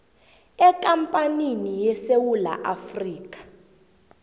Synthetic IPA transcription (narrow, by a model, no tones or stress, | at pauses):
ɛkʼampʼaninijɛsewula̰ʔafriːkʼḁ